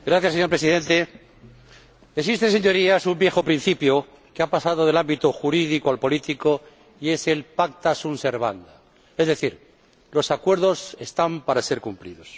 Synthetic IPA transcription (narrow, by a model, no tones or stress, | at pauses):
ɡɾaθjaseɲoɾpɾesiðẽ̞nt̪e̞ | esist̪e̞nseɲo̞ɾiasumbje̞xo̞pɾin̟θipjo | keapasað̞o̞ðe̞lambit̪oxuɾiðikoalpo̞lit̪iko | iese̞lpak̚t̪asunse̞ɾβa̰nd̪a | e̞zðe̞θiɾ | lo̞sakwe̞ɾðo̞se̞st̪ampaɾase̞ɾkumplḭðo̞s